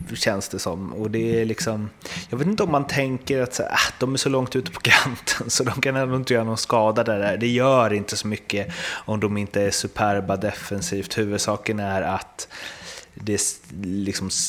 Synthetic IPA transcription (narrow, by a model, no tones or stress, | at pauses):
ɕɛnsd̪ɛsɔmːɔd̪ɛæɭɪksɔmjɑːɡveːt̪ɪnt̪ɔmːant̪ʰɛŋkəɾat̪sa̰ːa̰d̪̥ɔmæʂɔlɔŋt̪ʉ̟ːt̪ə̥pʰɔ̥ɡɾant̪ʰənsɔd̪ɔmkʰanɛnd̪ʊɪnt̪əjœːɾanskɑːd̪ad̪ɛd̪æɖ̪ɛjœːɾɪnt̪əsɔmʏkːəɔmd̪ɔmɪnt̪əæʂɵpʰæɾbad̪ɛfɛnsiːft̪hʉ̟ːvɵd̪sɑːkənæɾat̪ | d̪ɛlɪksɔm